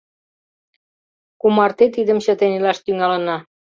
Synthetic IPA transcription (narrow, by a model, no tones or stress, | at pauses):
kumɑrt̪et̪id̪əmɕə̆t̪enilɑʃt̪yŋɑlənɑ